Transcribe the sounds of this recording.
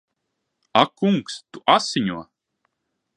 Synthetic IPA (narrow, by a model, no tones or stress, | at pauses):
akːuŋkst̪uʔasiɲuɔ